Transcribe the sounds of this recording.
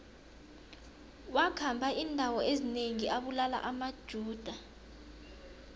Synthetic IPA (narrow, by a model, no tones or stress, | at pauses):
wakʰambʱaʔindʱawɔezineŋiʔaɓulala̰ʔamad̥ʒ̥ʱuːd̥ʱa